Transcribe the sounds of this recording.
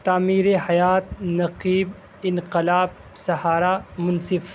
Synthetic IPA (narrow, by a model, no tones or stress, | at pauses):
t̪aːmiːɾehɐjaːt̪̚nɐqiːb | ɪnqɪlaːb̚ | sɐhaːɾamʊnsɪf